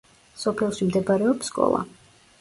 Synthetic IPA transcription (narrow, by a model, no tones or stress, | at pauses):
sɔpʰɛlˠʃimd̪ɛbaɾɛɔpsːkʼɔ̰lˠa̰